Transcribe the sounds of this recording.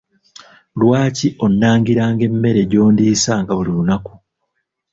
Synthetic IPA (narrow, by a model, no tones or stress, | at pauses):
lwaːciʔo̞nːaːŋɡiɾaːŋɡe̞mːe̞ɾe̞ɟo̞ːndiːsaŋɡaβulilunaku